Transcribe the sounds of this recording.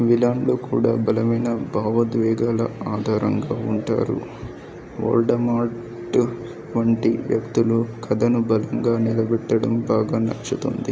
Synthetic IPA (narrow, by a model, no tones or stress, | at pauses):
ʋilaːɳɖloːkṵːɽaːbɐlɐmɐjnɐbʱaːʋɐd̪ʋɛːɡaːlɐaːd̪ʱaːɾɐŋɡaːuɳʈa̰ːɾṵ | o̰ːɾɖɐmaː | ʈ | ʋɐɳʈiʋjɐkt̪ulukʰɐd̪ɐnubɐlɐŋɡaːnilɐbɛʈːɐɽɐmbaːɡaːnɐ̰t͡ʃːut̪o̰nd̪i